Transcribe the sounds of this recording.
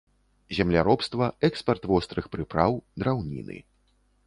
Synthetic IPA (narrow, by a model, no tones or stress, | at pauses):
zʲɛmlʲaɾɔpst̪vɐɛkspɐrt̪vɔst̪ɾɨxpɾɨpɾawd̪ɾawnʲḭnɨ̰